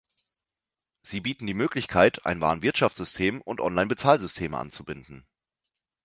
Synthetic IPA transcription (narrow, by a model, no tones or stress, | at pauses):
z̥iːbiːtn̩diːmøːklɪçkʰaɪtʰʔa̰ɪnva̰ːnvɪɐtʃaft͡sz̥ʏstʰeːmʊntʔɔ̰nlaɪnbət͡saːlzʏstʰeːmə̰ʔa̰nt͡subɪndn̩